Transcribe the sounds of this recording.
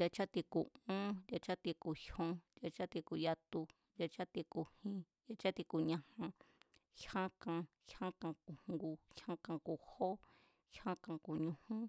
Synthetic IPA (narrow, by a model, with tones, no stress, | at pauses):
jʲa˧t͡ʃa˦t̪i˧ku˨ũ˦jʲa˧t͡ʃa˦t̪i˧ku˨hõ˧dʲa˧t͡ʃa˦t̪i˧ku˨ja˧t̪u˧ | dʲa˧t͡ʃa˦t̪i˧ku˨hĩ˧ | ja˧t͡ʃa˦t̪i˧ku˨ɲã˧hã˧hã˦kã˧ | hã˦kã˧ku˨ŋŋɡu˧hã˦kã˧ku˨ho˦ | hã˦kã˧ku˨ɲũ˧hũ˦